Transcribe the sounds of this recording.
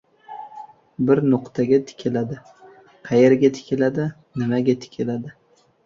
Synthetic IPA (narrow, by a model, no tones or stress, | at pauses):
bɪɾnʊqt̪ʰaɡʲat̪ʰɪ̥kʲʰɪlad̪ɪ | qʰɑjeɾɡʲat̪ʰɪ̥kʲʰɪlad̪ɪ | nɪmaɡʲat̪ʰɪ̥kʲʰɪlad̪ɪ